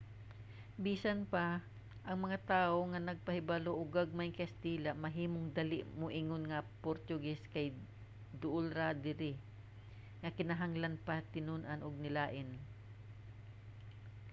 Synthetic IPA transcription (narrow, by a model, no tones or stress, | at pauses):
biːsanpa | ʔɐŋmɐŋat̪aːʔoŋanɐɡ̚pɐhɪbaloʔʊɡaɡ̚majŋkɐst̪iːlamɐɦiːmoŋd̪ɐlɪʔmoʔɪŋonŋɐpoɾt̪ʊɡɛskɐj | d̪ʊʔʊlɾad̪ɪɾɪ | ŋɐkɪnɐɦaŋlanpat̪ɪnʊnʔanʔʊɡ̚nɪlaːʔɪn